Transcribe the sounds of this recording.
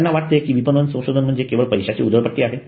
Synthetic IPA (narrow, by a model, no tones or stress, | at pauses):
nːaʋaʈ̚t̪ekiːʋipənd̪ənsə̃w̃ɕod̪ʱənm̤əɳd͡zekeʋəɭpəjɕat͡ɕḭːud̪əɭpəʈːiːaɦe